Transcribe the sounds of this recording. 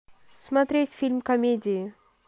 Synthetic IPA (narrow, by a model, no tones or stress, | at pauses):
smɐt̪ɾesfilmkɐmed͡ʒe